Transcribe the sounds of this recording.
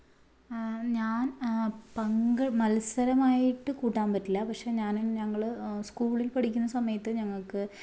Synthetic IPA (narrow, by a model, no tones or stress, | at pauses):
ɲaːnpɐŋɡɐmɐlsɐɾɐmaːjiʈːɨkuːʈːaːnpɐtːilːɐpɐkʂe̞ːɲaːnɲɐŋːɐɭskuːɭilpɐɽʰikʲːunːɐsɐmɐjɐt̪ːɨɲɐŋːɐɭkɨ